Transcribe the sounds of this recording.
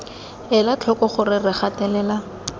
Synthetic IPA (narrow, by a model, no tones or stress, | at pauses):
ɛlat͡ɬʰɔkɔχʊrɪrɪχatɛlɛːla